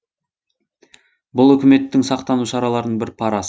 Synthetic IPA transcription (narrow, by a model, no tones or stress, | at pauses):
bʊlˠɵkʲɪme̞t̪ːɪŋsɑqt̪ɑnuʃɑɾɑlˠɑɾəɴbɪɾpʰɑɾɑs